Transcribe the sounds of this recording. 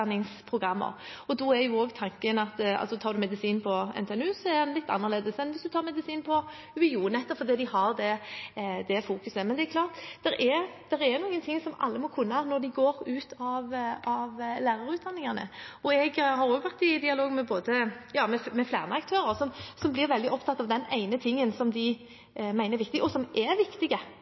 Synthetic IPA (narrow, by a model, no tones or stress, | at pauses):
nːɪŋspʰʁʊɡʁɑmːə̰ʁ | ɔd̪ɔɛɾjʊoːɡt̪ʰɑŋkənɑt̪ɑ̰lsɔt̪ʰɑːɾd̪ʉmɛd̪ɪsiːnpʰɔɛ̰nt̪ʰɛɛnʉːsɔæd̪ɛnlɪt̪ːɑ̰nːəʁleːd̪əsɛnʋɪsd̪ʉt̪ɑːʁmɛd̪ɪsiːnpʰɔ | ʉɪuːnɛt̪ːəfɔɾd̪iːd̪ɪhɑʁd̪ɛ | d̪ɛfuːkʉsəmɛnd̪ɛɛkʰlɑːʁt̪d̪̥ɛɾʔɛd̪̥ɛɾɛnuːɡənt̪ʰɪŋsɔmɑ̰lːəmɔkʰʉnːənɔɾd̪ɪɡoːɾʉːt̪ʰɑʋɑʋlæːɾɑɾʉːt̪̚d̪ɑnːɪŋɑnə̰ɔɛɡhɑɾjʊʋæʁt̪ɪd̪ɪɑloːɡmɛboːd̪əjɑːmɛmɛflæ̰ːʁnəɑk̚t̪ʰøːɾəɾsɔmsɔmblɪɾʋɛld̪ɪʔɔpt̪ʰɑt̪ːɑʋd̪ɛnæ̰ɪnət̪ʰɪŋːənsɔmd̪ɪ | mæɪnəɾʋɪk̚t̪ɪɡɔsɔmʔɛɾʋɪkt̪ɪɡə